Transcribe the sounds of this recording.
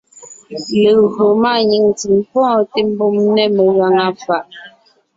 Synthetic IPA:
le˨o˨ma˦˨ɲi˨ŋti˨mpɔ̃ː˦te˦m̩˦bo˦˨mnɛ˦˨me˨ɣa˨ŋa˦fa˨ʔ

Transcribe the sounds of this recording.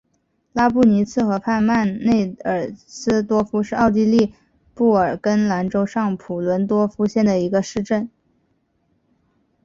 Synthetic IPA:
la˥pu˥˩ni˧˥t͡sʰɹ̩˥˩xɤ˧˥pʰa˥˧nma˥˧nne˥˩ɪə˨˩sɹ̩˥t̪wɔ˥fu˥ʂɻ̩˥˧ɑ˥˧ʊt̪̬i˥˧li˥˧ | pu˥˩ə˞˨˩kə˥nla˧˥nʈ͡ʂo˥ʊʂɑ˥˩ŋpʰu˨˩lwə˧˥nt̪wɔ˥fu˥ɕjɛ˥˩nd̪ə˩i˧˥ɡə˧ʂɻ̩˥˧ʈ͡ʂə˥˩n

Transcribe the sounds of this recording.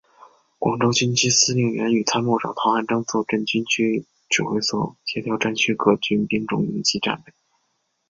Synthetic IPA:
kwɑ˨˩ŋʈ͡ʂo˥ʊt͡ɕy˥nt͡ɕʰi˥sɹ̩˥˧lji˥˩ŋɥɛ˧˥ny˨˩t̪ʰa˥nmɔ˥˩ʈ͡ʂɑ̰˨˩ŋt̪ʰɑ˧˥a˥˩nʈ͡ʂɑ˥ŋt͡swɔ˥˧ʈ͡ʂə˥˩nt͡ɕy˥nt͡ɕʰy˥ | ʈ͡ʂɻ̩˨˩xwe˧˥˩ɪswɔ˨˩t͡ɕʰɛ˧˥t̪ʰjɑ˥ʊʈ͡ʂa˥nt͡ɕʰy˥kʰɤ˥t͡ɕy˥npi˥ŋʈ͡ʂʊ̰˨˩ŋḭ˧˥nt͡ɕʰi˥ʈ͡ʂa̰˥˧nle˥˩ɪ

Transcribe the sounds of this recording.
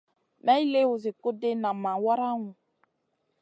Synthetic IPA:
mɛ˦i˦le˦wʊ˨zɪ˨kʊ˦de˦nã˨mã˨wa˦ɾa˦ŋʊ̃˨

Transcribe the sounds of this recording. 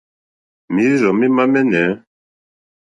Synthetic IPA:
mi˦ɾiɾɔ˨mi˦ma˦mɛ˦nɛ˨

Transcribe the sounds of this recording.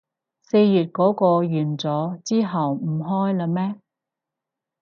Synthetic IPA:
se˧jːyː˨t̚kɔː˨˥kɔː˧jyː˨˩nt͡sɔː˨˥t͡siː˥ɦɐ˨wm̩˨˩ɦɔː˥jlɐ˧mɛː˥

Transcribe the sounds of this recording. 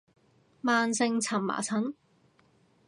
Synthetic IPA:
maː˧nsɪ˧ŋt͡sʰɐ˨˩mma̰ː˨˩t͡sʰɐ˨˥n

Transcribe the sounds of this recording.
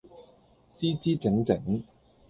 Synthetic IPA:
t͡siː˥t͡siː˥t͡sɪ˨˥ŋt͡sɪ˨˥ŋ

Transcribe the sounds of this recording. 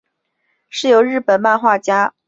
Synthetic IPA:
ʂɻ̩˥˩jo˧˥ʊɻ̩˥˩pə˨˩nma˥˧nxwa˥˩t͡ɕja˥

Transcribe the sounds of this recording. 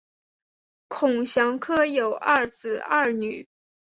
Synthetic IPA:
kʰʊ˨˩ŋɕjɑ˧˥ŋkʰɤ˥jo˨˩ʊʔa˥˩t͡sɹ̩˨˩ɐ˥˩ny˨˩˦

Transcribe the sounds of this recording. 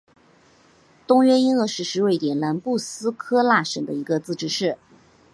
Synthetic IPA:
t̪ʊ˥ŋɥɛ˥i˥nɤ˥˧ʂɻ̩˥˩ʂɻ̩˧˥we˥˩ɪt̪jɛ˨˩nla˧˥npu˥˩sɹ̩˥kʰɤ˥la˥˩ʂə˨˩ŋd̪ə˦i˧˥ɡə˧t͡sɹ̩˥˩ʈ͡ʂɻ̩˥ʂɻ̩˥˩

